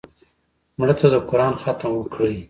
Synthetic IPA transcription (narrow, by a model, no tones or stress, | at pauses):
mɽət̪ad̪əkʊɾɑnxat̪əmwəkɽəj